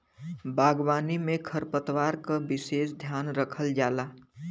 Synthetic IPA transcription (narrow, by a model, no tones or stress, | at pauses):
baːɡwaːnimẽkʰəɾpət̪waːɾkabɪʃeːsd̪ʱjaːnɾəkʰəld͡ʒaːlaː